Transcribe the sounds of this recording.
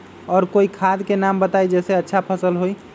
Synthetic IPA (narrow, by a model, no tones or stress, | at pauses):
ɔːɾkoikʰad̪kenambət̪ajd͡ʒɛːseətːʃʰapʰəsəlɦoi